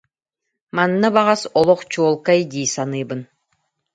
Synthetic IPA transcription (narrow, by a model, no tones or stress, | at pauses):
manːabaʁasɔlˠɔχt͡ɕuɔlˠkajd̪ʲiːsanɯːbɯn